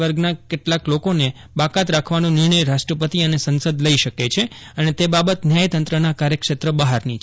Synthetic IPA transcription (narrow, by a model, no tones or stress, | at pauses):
ʋəɾɡnakeʈlaklokone | bakat̪ɾakʰʋanũnɪɾɳəjɾaʃʈɾəpət̪iənesənsəd̪ləiʃəket͡ʃʰeənet̪ebabət̪njəjt̪ənt̪ɾənakaɾjəkʃet̪ɾəbəɦaɾnit͡ʃʰ